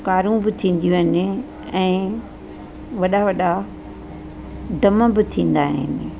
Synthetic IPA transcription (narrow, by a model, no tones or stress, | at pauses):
kaːɾũbɪt̪ʰĩːnd̪ijũɦɪnɪ̆ | ɛ̃ː | ʋɐɗaʋɐɗa | ɖɐmə̆bɪt̪ʰĩːn̆d̪aːɦɪ̰nɪ̆